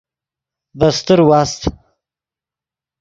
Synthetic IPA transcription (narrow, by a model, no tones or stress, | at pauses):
bast̪əɾwast̪